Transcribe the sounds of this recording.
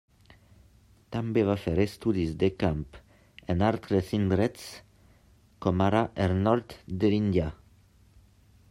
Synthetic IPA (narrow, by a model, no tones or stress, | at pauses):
t̪ambevafeɾest̪ud̪isd̪ekamp | enalt̪ɾesind̪ɾɛt̪s | kɔmaɾaʔeɾnɔɾt̪d̪elind̪ja